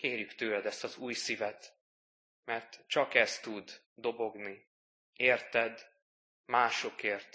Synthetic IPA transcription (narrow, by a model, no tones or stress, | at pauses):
keːrjykt̪øːlɛd̪ɛst̪ɒzuːjsivɛt̪ | mɛrt̪t͡ʃɒkɛst̪ud̪ː | o̞bo̞ɡni | eːrt̪ɛd̪ | maːʃo̞keːrt̪